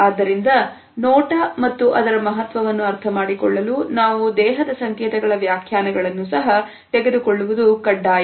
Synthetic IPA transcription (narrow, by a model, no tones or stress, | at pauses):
aːd̪ːɐɾind̪ɐ | nɔːʈɐmɐt̪ːuʔɐd̪ɐɾɐmɐɦɐt̪ʋɐʋɐnːuɐɾt̪ʰɐmaːɽikɔɭːɐlunaːʋud̪ɛːɦɐd̪ɐsɐŋkɛːt̪ɐɡɐɭɐʋjaːkʰjaːnɐɡɐɭɐnːusɐɦɐ | t̪ɛɡe̞d̪ukɔɭːuʋud̪ukɐɖːaːj